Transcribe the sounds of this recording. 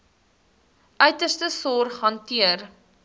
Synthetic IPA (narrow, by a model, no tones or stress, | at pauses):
ʔœɥtərstəsɔrχɦɐntiər